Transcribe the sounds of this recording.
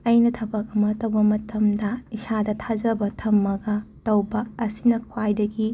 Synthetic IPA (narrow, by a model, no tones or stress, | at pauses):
ɐjnɐtʰɐbɐk̚ɐmɐtɐwbɐmɐtɐmdɐisadɐtʰad͡ʒɐbɐtʰɐmːɐɡɐtɐwbɐːsinɐkʰwajdɐɡi